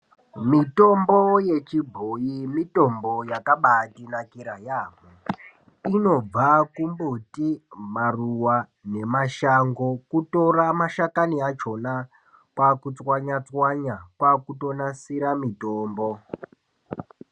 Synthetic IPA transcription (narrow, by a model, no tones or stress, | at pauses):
mito̞mboje̞t͡ʃibʱojimito̞mbo̞jakaɓatinakiɾajaːmu | ino̞b͡vakumbutimaruwa | ne̞maʃaŋɡokuto̞ramaʃakaniat͡ʃo̞na | kwakut͡swaɲat͡swaɲakwakuto̞nasiɾamitoːmbo